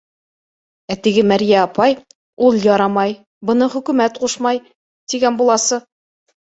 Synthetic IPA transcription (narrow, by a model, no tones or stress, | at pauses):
æt̪ɘ̆ɡɘmæɾjæɑpɑj | ulˠjɑɾɑmɑj | bɤ̆nɤχɵ̆kʉmæt̪quʃmɑj | t̪iɡænbulˠɑsɤ